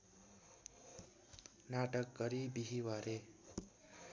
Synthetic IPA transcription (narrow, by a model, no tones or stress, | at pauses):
naʈʌk̚ɡʌɾibiɦiwaɾe